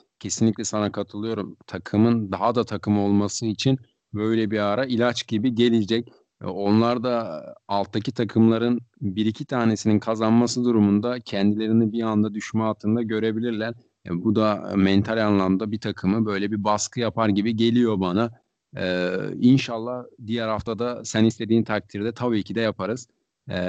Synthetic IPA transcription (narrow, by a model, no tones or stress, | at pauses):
cʰe̞sinlʲicʲlʲɛsanakʰat̪ʰɯlˠɯjo̞ɾumt̪ʰakʰɯmɯnd̪aɦad̪at̪ʰakʰɯmo̞lˠmasɯit͡ʃʰin | bø̞jlʲɛbiaːɾailʲat͡ʃɟibiɟe̞lʲid͡ʒɛc̚ | o̞nlˠaɾd̪aːlˠt̪ʰːacit̪ʰakʰɯmlˠaɾɯnbiɾicʰit̪ʰaːne̞sininkʰazanmasɯd̪uɾumund̪acʰɛnd̪ilʲe̞ɾinibiand̪ad̪yʃmɛalˠt̪ʰɯnd̪aɟø̞ɾe̞bilʲiɾlʲæɾ | ɛ̰bud̪amɛnt̪ʰalʲanlˠamd̪abit̪ʰakʰɯmɯbø̞jlʲɛbibaskʰɯjapʰaɾɟibiɟe̞lʲijo̞banaː | inʃalˠːahd̪ijæɾhaft̪ʰad̪asænist̪ʰe̞d̪iːnt̪ʰak̚t̪ʰiɾd̪ɛt̪ʰabiːcʰid̪ɛjapʰaɾɯz̥